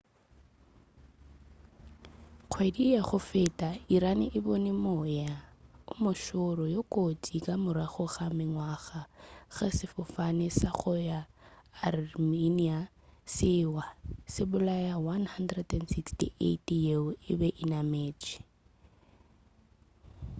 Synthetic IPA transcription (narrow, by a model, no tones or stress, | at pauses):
q͡χʰwedijaχʊfɪtʼaiɾanɪʔɪbonɛmojaʊmʊʃʊɾɔjokʼotʼikʼamʊɾaχʊɣamɪŋwaɣaɣasɪfʊfanɪsaχʊjaːrminia | sɪwasɪbʊlajawanhandrɛdɛndsikstḭʔḛtijeɪbɛʔinameːt͡ʃʼɪ̥